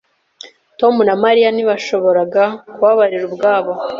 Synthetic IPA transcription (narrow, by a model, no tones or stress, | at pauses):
to̞munamaɾijaniβaʃo̞βo̞ɾaɡakuβaβaɾiɾubɡaːβo